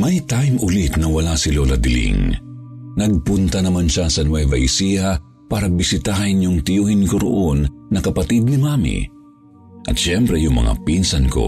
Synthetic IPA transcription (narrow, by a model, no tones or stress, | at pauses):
mɐjt̪ajmʔʊlit̪nɐwɐlasɪlolɐd̪ɪlḭŋ | nɐɡ̚pʊnt̪ɐnɐmanʃasɐnwɛvɐ̰jsiɐ | paːɾɐbɪsɪt̪ahɐnjʊŋt̪ɪjuːhɪnkoɾo̰ʔonːɐkɐpɐt̪id̪̚nɪmaːmḭ | ʔɐt̪ʃɛmpɾɛjʊŋmɐ̰ŋa̰pinsɐnko̞̰